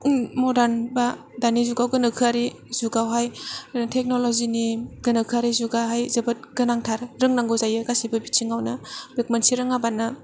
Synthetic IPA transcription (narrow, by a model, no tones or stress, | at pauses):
mɔdaɾnba | danizuɡawɡɯnɯkʰɯaɾi | zuɡawɦajtʰek̚noloziniɡɯnɯkʰɯaɾizuɡaɦajzɐbɐt̚ɡɯnaŋtʰaɾɾɯŋnaŋɡɔzajɯɡasibɐbit͡ʃʰiŋawnɐbek̚mansiɾɯŋabanɐ